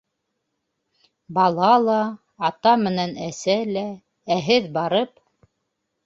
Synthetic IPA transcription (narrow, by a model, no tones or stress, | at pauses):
bɑlˠɑlˠɑː | t̪ɑmɘ̆nænæsælæ | æɦɘðbɑɾɤp